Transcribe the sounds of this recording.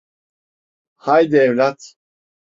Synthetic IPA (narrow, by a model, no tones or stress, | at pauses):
hajd̪ɛvlat̪